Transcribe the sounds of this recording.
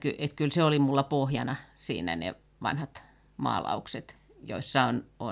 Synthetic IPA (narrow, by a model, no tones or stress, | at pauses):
kyʔet̪kylseolimulːɑpohjɑnɑsḭːnæ̰nḛ | ʋɑ̰nhɑt̪ | mɑ̰ːlɑ̰ukset̪ | jo̰isːɑono